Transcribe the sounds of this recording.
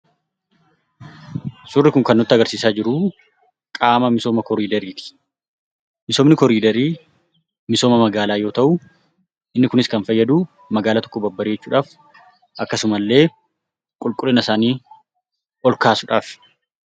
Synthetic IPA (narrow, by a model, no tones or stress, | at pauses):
sʊrːɪkʊŋkɐnːɔt̪ːɐɡɐɾsiːsaːd͡ʒɪɾʊ | kʼaːmɐmɪso̞ːmɐkɔɾiːd̪ɐɾiːt̪ɪ̥ | mɪsomnɪkɔɾiːd̪ɐɾiː | mɪso̞ːmɐmɐɡaːlaːjo̞ːt̪ɐʔʊ | ʔɪnːɪkʊnɪskɐnfɐjːɐd̪uː | mɐɡaːlat̪ɔ̥kːɔbɐbːɐɾiːd͡ʒɛt͡ʃːuːᶑaːf | ʔɐkːɐsʊmɐlːe̞ː | kʼʊlkʼʊlɛnɐɪsaːniː | ʔɔlkaːsʊᶑaːf